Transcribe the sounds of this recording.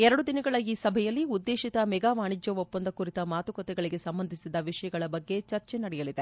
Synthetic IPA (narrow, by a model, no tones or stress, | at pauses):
ɛɾɐɽud̪inɐɡɐɭɐiːsɐbʱɛjɐlːiud̪ːeːʃit̪ɐmɛɡaːʋaːɳid͡ʒjɐʋopːɐnd̪ɐkuɾit̪ɐmaːt̪ukɔt̪ɛɡɐɭiɡe̞sɐmbɐnd̪ʱisid̪ɐʋiʂɐjɐɡɐɭɐbɐɡːe̞t͡ʃɐɾt͡ʃenɐɽɛjɐlid̪e